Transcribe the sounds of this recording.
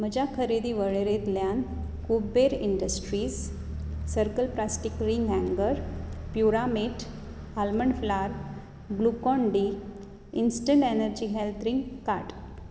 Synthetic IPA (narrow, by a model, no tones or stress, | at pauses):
m̤əd͡ʑakʰəɾid̪iʋəɭeɾet̪ljan | kubeɾḭɳɖəsʈɾiːs | səɾkəlplasʈikɾiŋɡɦæ̃ŋɡəɾpjuɾameʈʰ | alməɳflaɾ | blukɔɳɖiː | insʈəɳʈɛnəɾd͡ʑiɦelt̪ʰɾiŋɡkaʈ